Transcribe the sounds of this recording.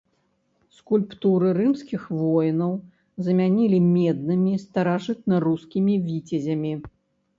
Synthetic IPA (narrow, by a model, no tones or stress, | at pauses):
skulʲpt̪uɾɨɾɨmskʲixvɔjnɐw | zɐmʲanʲilʲimʲɛd̪̚nɨmʲist̪ɐɾaʐɨt̪̚nɐruskʲimʲivʲit͡sʲɐzʲɐmʲi